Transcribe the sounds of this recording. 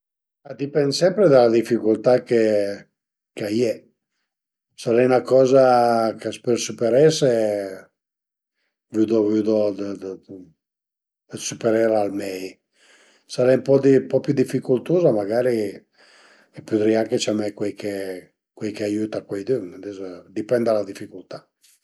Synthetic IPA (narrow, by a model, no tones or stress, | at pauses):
ad̪ipɛnd̪sɛmpɾed̪alad̪ifikult̪ake | keajɛ | saɾaunakɔːzakaspeɾsypeɾɛse | vyd̪ovyd̪od̪ | sypeɾɛɾalmɛj | saɾɛumpɔd̪impɔpjud̪ifːikult̪uːzamaɡaːɾi | ɛpud̪ɾiaket͡ʃamɛkwɛjkʰe | kwɛjkeajuːt̪akwɛjd̪ynd̪izd̪ipɛnd̪alad̪ifːikult̪a